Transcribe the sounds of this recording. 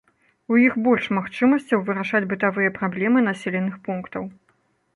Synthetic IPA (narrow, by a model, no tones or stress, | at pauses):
ujixbɔlʲʂmaxt͡ʂɨmɐsʲt͡sʲɐwvɨɾaʂad͡zʲbɨt̪avɨjɐpɾablʲɛmɨnasʲɛlʲɛnːɨxpunkt̪ɐw